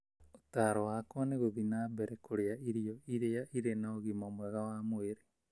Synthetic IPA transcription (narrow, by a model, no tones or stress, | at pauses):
otaɾɔwakwaneɣoðinaːbɛɾɛkʰoɾeaiɾiɔiɾeaʔiɾenaoɣimamwɛɣawaːmoeɾe